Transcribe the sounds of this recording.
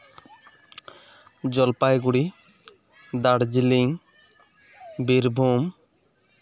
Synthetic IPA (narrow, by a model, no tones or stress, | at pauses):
d͡ʒɔlpaeɡuɽi | d̪aɽd͡ʒiliŋ | biɾbʱum